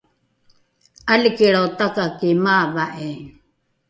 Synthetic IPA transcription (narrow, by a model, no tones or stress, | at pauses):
alikiɺawt̪akakimaːvaʔe